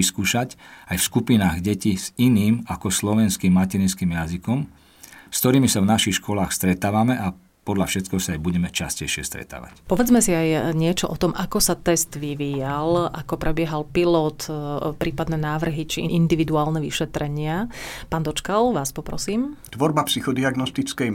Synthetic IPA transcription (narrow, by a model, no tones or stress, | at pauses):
iskuːʃacajfskupinaːɣɟɛciz̥iniːmakɔslɔʋɛnskimːacɛɾinskiːmjazikɔm | skt̪ɔɾiːmisavnaʃixʃkɔlaːxst̪ɾɛt̪aːʋamɛʔa | pɔd̪ʎafʃɛt̪kɛɦɔsaajbuɟɛmɛt͡ʃascɛjʃɪɛ̰st̪ɾɛ̰t̪a̰ːʋa̰cpɔʋɛd͡zmɛsiajɲɪɛt͡ʃɔʔɔt̪ɔmʔakɔsat̪ɛst̪ʋiʋiːjalʔakɔpɾɛbɪɛɦalpilɔt̪pɾiːpad̪nɛːnaːʋr̩ɦit͡ʃiʔind̪iʋid̪uaːlnɛʋḭʃɛt̪ɾɛɲɪapaːnd̪ɔt͡ʃkalʋaːspɔpɾɔ̰siːmt̪ʋɔɾbapsixɔd̪iaɡnɔst̪it͡skɛj